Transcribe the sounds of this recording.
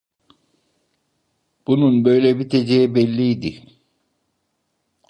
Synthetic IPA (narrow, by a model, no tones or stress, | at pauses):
b̥ununbø̞jlʲɛbit̪ʰed͡ʒejibɛlʲːiid̪i